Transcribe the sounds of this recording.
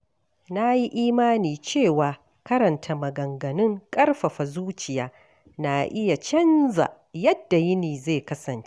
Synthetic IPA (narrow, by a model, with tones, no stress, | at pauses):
na˦ji˦ʔiː˦maː˦niː˨t͡ʃeː˦˨waː˨ | kɐ˦ɾɐ˨ntʰa˨mɐ˨ɡɐ˨ŋɡɐ˨nɪ˦ŋkʼɐ˦rɸɐ˨ɸa˨zuː˦t͡ʃɪ˨jaː˦ | na˨ʔɪ˦ja˨t͡ʃɐ˦nza̰˨ | jɐ˦dːa˨jɪ˦niː˨ze˦˨kɐ˦sɐ˨nt͡ʃe̥˦